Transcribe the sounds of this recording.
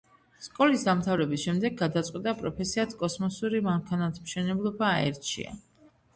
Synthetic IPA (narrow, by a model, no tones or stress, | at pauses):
skʼɔlisd̪amt̪ʰavɾɛbisʃɛmd̪ɛɡ̚ad̪at̪sʼqʼwit̪ʼapʼɾɔpʰɛsiat̪ʰkʼɔsmɔsuɾimaŋkʰanat̪ʰmʃɛnɛblˠɔbaːɛ̰ɾt̪t͡ʃʰḭa̰